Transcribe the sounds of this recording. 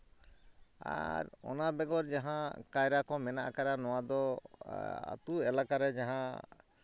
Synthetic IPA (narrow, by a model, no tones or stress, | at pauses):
a̰ɾɔ̰nabɛɡɔɾd͡ʒaɦãkajɾakɔmɛna̰ʔkaɾanɔwad̪ɔ | a̰t̪uɛlakaɾɛd͡ʒaɦã